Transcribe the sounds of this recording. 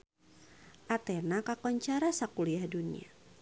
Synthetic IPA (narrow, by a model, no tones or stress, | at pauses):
ʔat̪enakakɔɲt͡ʃaɾasakuliahdunḭa̰